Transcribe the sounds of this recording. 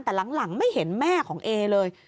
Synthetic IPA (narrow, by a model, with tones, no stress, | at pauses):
t̪ɛː˨˩la˩˦ŋla˨˩˦ŋma˥˩jhe˩˦nmɛː˥˩kʰɔː˨˩˦ŋʔeː˧lɤː˧j